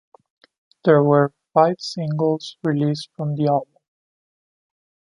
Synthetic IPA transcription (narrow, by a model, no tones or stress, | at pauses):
ðə˞wə˞faɪv̥sɪ̃ŋɡəl̩ˠz̥ɹilistfɹʌ̃mðiɑlˠbə̃m